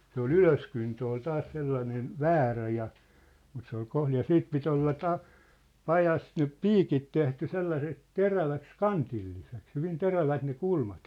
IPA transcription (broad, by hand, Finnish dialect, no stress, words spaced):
se ol yløskyntø ol tɑːs selːɑnen ʋæːræ jɑ mut se ol kohlij jɑ siːt pit olːɑ tɑ pɑjɑs nyp piːkit tehty selːɑseks teræʋæks kɑntilːiseks hyʋin teræʋæt ne kulmɑt